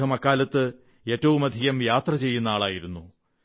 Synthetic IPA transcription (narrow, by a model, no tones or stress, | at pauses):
ɐmɐkːaːlɐt̪ːɨ | e̞ːtːɐʋumɐd̪ʱijɐmjaːt̪rɐt͡ɕe̞jːunːaːɭaːjiɾunːu